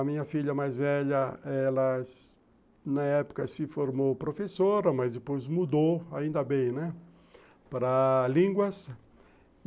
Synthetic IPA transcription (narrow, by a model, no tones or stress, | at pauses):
ɐmĩɲɐfiʎɐmajzvɛʎɐɛlɐs | nɐɛpʊ̥kɐsɪfoɾmopɾofesoɾɐmazd̪ɪpojzmud̪oaĩnd̪ɐbẽj̃nɛ | pɾɐlĩŋɡwɐs